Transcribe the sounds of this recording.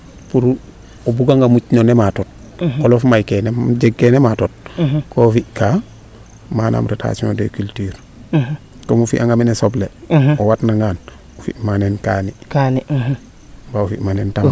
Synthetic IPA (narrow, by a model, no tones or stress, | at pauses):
puɾ | obuɡaŋɡamucnonematot̚ | olofmajkeneɟeɡːenematot̚kofika | maːnʔa̰ːmɾetʰa̰simo̰dekyltiːɾ | komufḭʔaŋɡamenesobleowatnaŋɡaːn | ufḭʔmanenkaːnikani | baufimanenta